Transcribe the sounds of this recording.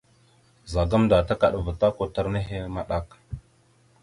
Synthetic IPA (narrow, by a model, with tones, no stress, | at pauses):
za˨ɡa˦mda˨ta˦ka˨ɗvə˨ta˦ko˦ta˦ɾne˦ɦe˦ma˦ɗa˦k